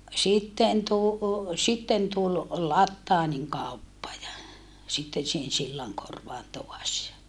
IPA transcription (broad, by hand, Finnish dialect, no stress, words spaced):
sitːen tu sitːen tul lɑtːɑːniŋ kɑˑupːɑ jɑ sitːen sihen silːɑŋkorʋɑːn toɑs jɑ